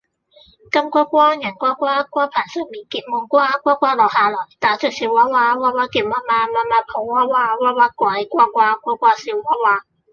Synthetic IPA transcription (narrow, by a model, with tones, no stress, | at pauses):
kɐ˧˥mkʷa˦˥kʷaː˥jɐ˨˩nkʷaː˦˥kwaː˥kwaː˦˥pʰaː˨˩sə˧˩miː˨˩nkiː˨˩t̚mɔ˧ŋkʷwaː˥kʷaː˦˥kʷaː˦˥lɔː˨˩haː˧lɔː˨˩jt̪aː˨˧˩t͡søː˨˩k̚si˨˧˦waː˧˥waː˧waː˧˥waː˧˥ki˨˧˩p̚maː˧˥maː˧maː˧˥maː˧˥pʰo˨˩waː˧˥waː˧waː˧˥waː˧˥kʷa˨˧˦jkʷaː˦˥kʷwaː˥kʷɔː˧˥kʷaː˦˥si˨˧˦wwaː˧˥waː˧